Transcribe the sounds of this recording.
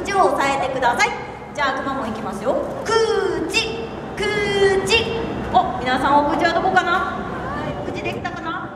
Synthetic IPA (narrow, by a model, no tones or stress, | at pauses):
t͡ɕioːsae̞t̪e̞kɯ̟d̪asai | d͡ʑaːkɯ̟mamo̞ikʲimasɨjo̞ | kɯ̟ːt͡ɕi | kɯ̟ːt͡ɕiomʲinasãɰ̃aokɯ̟t͡ɕiβad̪o̞ko̞kana | okɯ̟t͡ɕid̪e̞kʲi̥t̪akana